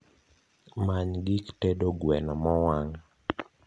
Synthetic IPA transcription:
maɲɡiktedoɡwɛnamɔwaŋ

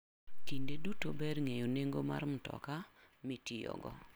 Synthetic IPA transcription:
tindedutobɛdŋejoneŋɡoma̰ɾm̩tɔ̰ka | mitijɔ̰ɡɔ̰

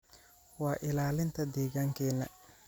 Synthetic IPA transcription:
wɑːʔɪlaːlɪnt̪ʰɐd̪ɛːɣaːŋkʰɛːnɐ

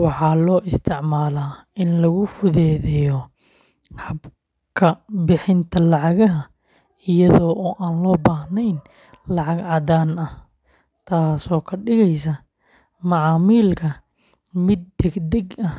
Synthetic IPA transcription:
wɑħɑːlɔːʔɪst̪ʰɪʕmaːlaː | ɪnlɐɣʊfʊðɛːðɛjɔ | ħɑb | kʰɐbɪħɪnt̪ʰɐlɑʕɑɣɐɦɐ | ɪjɐðɔːʔɔːʔaːnlɔːbaːhnɛjn | lɑʕɑɡʕɑdaːnɐh | t̪ʰaːsɔːkʰɐɖɪɣɛjsɐ | mɑʕɑːmiːlkʰɐ | mɪd̪̚ːɛɡd̪ɛɡɐh

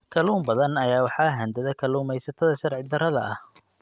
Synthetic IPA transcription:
kʰɐluːmbɐðɐnɐjaːwɑħɑːɦɐnd̪ɐðɐkʰɐluːmɛjsɐt̪ʰɐðɐʃɐrʕɪd̪ɐɾɐðɐ̰ʔɐh

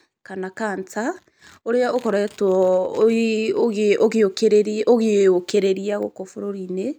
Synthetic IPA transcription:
kanakaːnta | oɾeaokɔɾaɛtwɔ | oɣeoɣeokeɾeɾoɣeokeɾeɾiaɣo̰kofoɾoɾine

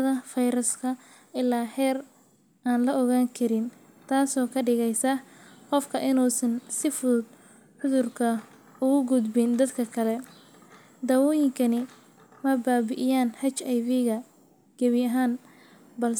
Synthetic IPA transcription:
ðɐfɐjɾɐskʰɐ | ʔɪlaːhɛːr | ʔaːnlɐɔɣaːŋkʰɐɾɪn | t̪ʰaːsɔːkʰɐɖɪɣɛjsɐqɔfkʰɐʔɪnuːsɐnsɪfʊd̪ | ħʊðʊrkʰɐ | ʊɣʊɡʊd̪bɪnd̪ɐd̪kʰɐkʰɐlɛ | d̪ɐːwɔːjɪŋkʰɐnɪ | mɐbaːβɪʔɪjaːnhɐt͡ʃɐjβiɣɐ | ɡ̥ɐβɪjɐɦaːn | bɐl

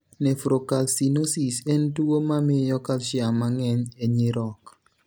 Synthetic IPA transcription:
nɛfɾokalsinosisentuomamɪjɔkalʃjamaŋɛɲeɲɪɾɔk

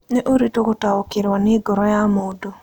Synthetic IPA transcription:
nɛʔoɾitokotaokɪɾwanɪɡɔɾɔjamodo

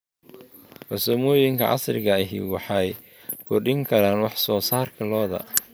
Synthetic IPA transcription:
ħɔsɔmɔːjɪŋkʰɐ̰ʕɑ̰srɪɣɐɪɦḭːwɑħɑj | kʰʊrɗɪŋkʰɐɾaːnwɑħsɔːsaːrkʰɐlɔːðɐ̰

